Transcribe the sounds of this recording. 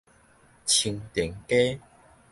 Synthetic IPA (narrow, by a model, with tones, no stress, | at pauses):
t͡ɕʰi˧ŋt̪i˨˩ŋke˦